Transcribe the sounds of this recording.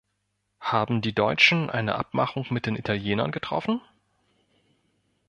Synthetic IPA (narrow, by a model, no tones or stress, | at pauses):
haːbm̩diːdɔʏt͡ʃn̩ʔa̰ɪnəʔa̰p̚maχʊŋmɪt̚d̥eːnʔitʰaljeːnɐ̰nɡətʁ̥ɔ̰fn̩